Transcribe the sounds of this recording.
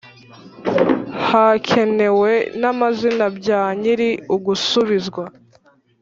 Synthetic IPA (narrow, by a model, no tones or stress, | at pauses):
hacʰe̞ne̞we̞namazinabɟaːɲiɾiuɡusuβizɡwa